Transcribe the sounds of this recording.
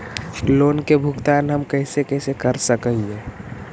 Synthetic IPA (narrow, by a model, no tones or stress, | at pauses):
loːnkebʱʊɡt̪aːnɦəmkəɪsekɛːsekəɾsəkəɦiɛ̃ː